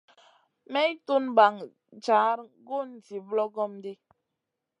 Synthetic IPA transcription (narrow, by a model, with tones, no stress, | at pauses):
mɛ˦i˦tu˦nba˨ŋ | t͡ʃaː˨˦ɾɡo˦˨n̩˨ti˨blɔ˦ɡɔ˦mde˦